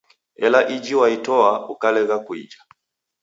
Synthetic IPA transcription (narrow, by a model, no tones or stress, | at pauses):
ɛlaʔid͡ʒiwaitɔaukalɛɣakuḭd͡ʒa